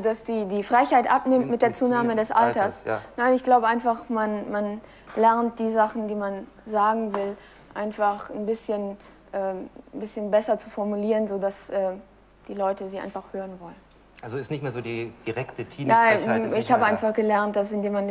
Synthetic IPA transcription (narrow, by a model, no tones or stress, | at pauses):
dasd̥iːdiːfʁ̥aɪçhaɪtʔapnɪmtmɪt̚d̥eːɐt͡suːnaːmədɛsʔa̰ltɐsnaɪnɪçɡ̥laʊbəʔaɪnfaχmanman | lɛɐnt̚d̥iːzaχn̩diːman | zaːɡŋ̩vɪl | ʔaɪnfaχnbɪsçən | ʔɛːbɪsçənbɛsɐt͡su̥fɔɐmuliːʁənzoːdasʔɛː | d̥iːlɔʏtəziːʔa̰ɪnfaχhøːʁənvɔlən | ʔalzoɪstnɪçtmeːɐzoːdiːd̥iʁɛktətʰiːnaɪɪçhaːbəʔaɪnfaχɡ̥əlɛɐnt̚d̥as̬ɪndeːman